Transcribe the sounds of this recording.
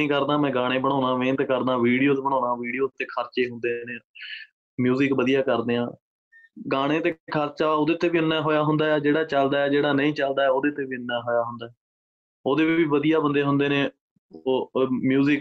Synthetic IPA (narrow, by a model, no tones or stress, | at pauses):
ĩːkəɾd̪ãːmɛ̃ːɡaːɽ̃ẽːbəɽ̃aːnãːʋẽːnt̪kəɾd̪ãːʋiːɽijoːt̪ːbəɽ̃ãːnãːʋiːɽijoːt̪ːeːkʰəɾt͡ʃeːɦʊ̃nd̪eːneː | mjuːzɪkʋəd̪ijaːkəɾd̪eːãː | ɡaːɽ̃ẽːt̪eːkʰəɾt͡ʃaːoːd̪eːt̪eːʋiːʊnːaːɦoːjaːɦʊnd̪aːɛːd͡ʒeːɽaːt͡ʃəld̪aːɛːd͡ʒeːɽaːnəĩːt͡ʃəld̪aːɛːoːd̪eːt̪eːʋiːʊnːaːɦoːjaːɦʊnd̪aːɛː | oːd̪eːʋiːʋəd̪ijaːbənd̪eːɦʊ̃nd̪eːnẽː | oːmjuːzɪk